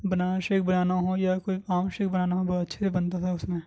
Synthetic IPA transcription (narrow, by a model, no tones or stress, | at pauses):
bɐnaʃek̚bɐnaːnaɦojakoiaːmʃɪk̚bɐnaːnaɦobɔt̪ɐtːʃʰesebɐnt̪at̪ʰɛʊsmẽ